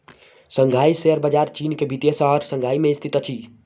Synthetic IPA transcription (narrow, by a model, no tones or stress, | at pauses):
səŋɡʱaiseəɾbəd͡ʒaɾt͡ʃinkebʱit̪jesɔɾsəŋɡʱaːimeist̪ʰit̪t͡ʃʰi